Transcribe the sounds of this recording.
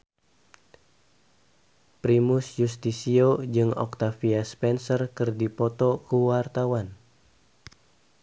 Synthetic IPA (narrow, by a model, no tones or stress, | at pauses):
pɾimusjust̪isiod͡ʒɨŋɔ̰k̚t̪afiaspɛnsərkɨrdipɔt̪ɔkuwart̪awan